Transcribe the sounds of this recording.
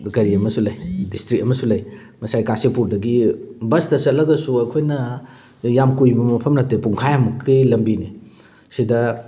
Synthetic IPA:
ɡɐɾiɐmɐsulɐjdistɾik̚ɐmɐsulɐj | mɐsajkasipuɾdɐɡibɐstɐsɐtlɐɡɐsuɐjkʰojnɐ | jamkujbɐmɐpʰɐmnɐtːepuŋkʰajamɐkʰːilɐmbini | sidɐ

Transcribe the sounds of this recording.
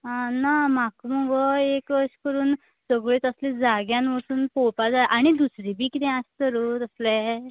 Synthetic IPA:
anamakməɡɔekʋəɕkəɾuːn | səɡɭiːt̪əslĩd͡zaɡjãnʋəsuːnpopad͡zaʔaɽ̃id̪usɾibʱiːkit̪ɛ̃astəɾut̪əslɛ̃

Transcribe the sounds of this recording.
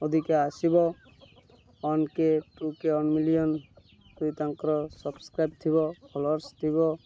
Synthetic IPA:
od̪ʱikeasibɔ | ɔnkeʈukeɔnmilijɔn | t̪ujt̪aŋkɾɔsɔbskɾajp̚t̪ʰibɔkʰɔlɔɾst̪ʰibɔ

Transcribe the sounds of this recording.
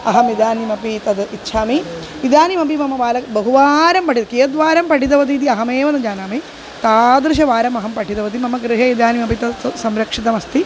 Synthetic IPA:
ɐɦɐmid̪aːnimɐpit̪ɐd̪itːʃʰaːmi | id̪aːnimɐp̬imɐmɐʋaːlɐbɐɦuʋaːɾɐmpɐʈʰit̪ɐkeːjɐd̪ʋaːɾɐmpɐʈʰit̪̬ɐʋɐt̪̬iːt̪̬iɐɦɐmeːʋɐnɐd͡ʒaːnaːmi | t̪aːd̪ɾɨʃ̬ɐʋaːɾɐmɐɦɐmpɐʈʰit̪ɐʋɐt̪̬imɐmɐɡɾɨɦɐid̪aːnimɐpit̪ɐsɐmɾɐkʂit̪ɐmɐst̪i

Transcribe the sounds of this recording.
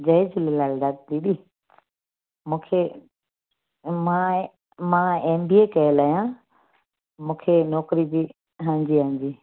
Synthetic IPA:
d͡ʑɐɪd͡ʑʊlɪlaːlɗaːk̚t̪iːɗiː | mũːkʰe | mãː | mãːeːmbiːekɐelaːijãː | mũːkʰenɔːkɾid͡ʑiː | ɦãːɲd͡ʑiːɦãːɲd͡ʑiː

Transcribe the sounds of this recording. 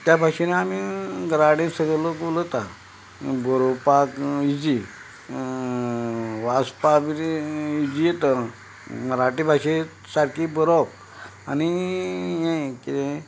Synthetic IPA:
t̪jabʱaʂeneamiɡɾaɽẽsəɡɭəlokulət̪a | bəɾopakid͡ʑi | ʋaspabiɾid͡ʑijet̪ə | ɾaʈibʱaʂe | saɾkibəɾop̚ | anijẽkit̪ẽ

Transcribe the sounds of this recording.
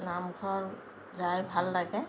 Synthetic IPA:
namkʰɔɹ | zajbʱalːaɡɛ

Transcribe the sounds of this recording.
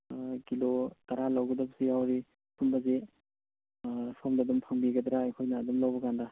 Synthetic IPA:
kilot̪aɾalawɡɐdɐpsijawɾi | sumbɐze | pʰomdadumpʰaŋbiɡɐd̪ɾaɐjkʰojnɐːdumlawbɐkanda

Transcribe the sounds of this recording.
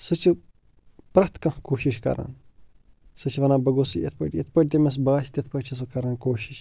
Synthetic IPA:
sɨt͡ʃʰi | pɾɐst̪kɐ̃hkoːʃiʃkɐ̰ɾʔa̰n | sɨt͡ʃʰiʋɐnaːbɐɡosɨjɐ̰t̪̚ʰpɐ̰ʈʲet̪̚ʰpɐʈ̚ʲt̪emes̬baːʃʰt̪ʲet̪ʰpɐʈʲt͡ʃʰis̬ɨkɐɾɐnkoːʃiʃ

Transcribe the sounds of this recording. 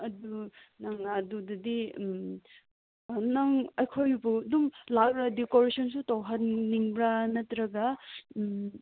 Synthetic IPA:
ɐdu | naŋnadudɐdim | naŋɐjkʰojbuɐdumlak̚bɾadikoɾisɔnsutawɦɐnniŋbɾanɐtɾɐɡɐm

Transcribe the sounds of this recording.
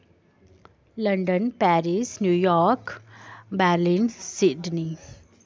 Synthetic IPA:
lə̃ɳɖənpæɾisnjujɔːɾkbaɾlĩnsiɖni

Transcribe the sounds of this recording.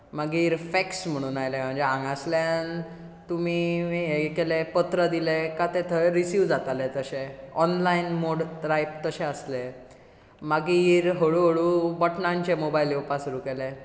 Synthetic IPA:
maɡiːɾfɛksm̤əɽ̃uːnajlem̤əɳd͡zeãŋɡasljan | t̪umiɦekelepət̪ɾəd̪ilekat̪et̪ʰəɾisuʋd͡zat̪alet̪əɕẽɔnlainmoɽɾajpt̪əɕẽəsle | maɡiːɾɦəɭuɦəɭuːbɔʈnãɲt͡ɕemobajliupasɾukele

